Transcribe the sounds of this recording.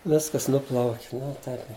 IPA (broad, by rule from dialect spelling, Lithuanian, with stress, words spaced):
ˈʋʲɪskɐs ˈnʊplˠɐʊkʲ ˈnʊ ˈtɐɪp